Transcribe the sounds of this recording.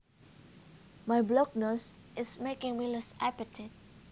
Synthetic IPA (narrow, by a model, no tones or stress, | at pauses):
majblɔk̚nos | ʔɪsmekɪ̃ŋmilɛsapɨtʰɪt̚